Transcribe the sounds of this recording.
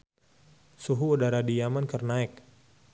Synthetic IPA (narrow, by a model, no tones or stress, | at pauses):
suɦuudaɾadijamankərnaɛk̚